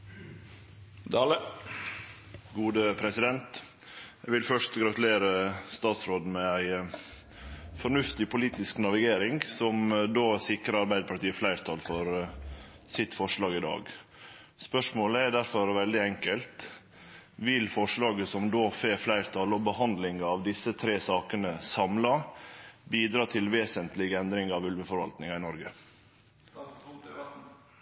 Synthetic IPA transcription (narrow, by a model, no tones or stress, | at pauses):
d̪ɑːlə | ɡuːd̪əpʰɾɛsɪd̪ɛnt̪ | jæʋɪlfœʂt̪ɡɾɑt̪ʉleːɾəst̪ɑːt̪sɾoːd̪n̩mɛæɪ | fɔɳʉft̪ɪpʰʊliːt̪ɪsknɑʋɪɡeːɾɪŋsɔmd̪oːsɪkɾəɑɾbæɪd̪əpɑʈiːəflæɪɾt̪ʰɑlfɔɾ | sɪt̪fɔʂɭɑːɡɪd̪ɑ̰ːɡ | spœʂmoːləæɖæɾfɔɾʋɛld̪ɪɛŋkəlt̪ | ʋɪlfɔʂɭɑːɡəsɔmd̪oːfeːflæɪɾt̪ʰɑlɔbəhɑnd̪lɪŋɑʋd̪ɪsət̪ʰɾeːsɑːkənəsɑmlɑ | biːd̪ɾɑːt̪ʰɪlʋeːsənt̪lɪɡɛnd̪ɾɪŋɑʋʉlʋəfɔɾʋɑ̰lt̪nɪŋɑɪnɔɾɡə